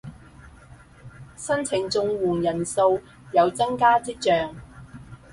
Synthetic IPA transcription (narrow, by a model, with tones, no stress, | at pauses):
sɐ˥nt͡sʰɪ˨˩ŋt͡sʊ˧ŋwuː˨˩ŋjɐ˨˩nso˧w | jɐ˨˧wt͡sɐ˥ŋkaː˥t͡siː˥t͡ʃœː˨˧ŋ